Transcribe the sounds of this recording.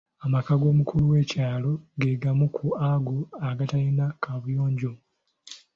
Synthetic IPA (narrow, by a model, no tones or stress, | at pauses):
amakaɡo̞ːmukʰuluwe̞ːcaːlo̞ɡe̞ɡamukʰuaɡuaɡatajinakʰaβujoːɲɟo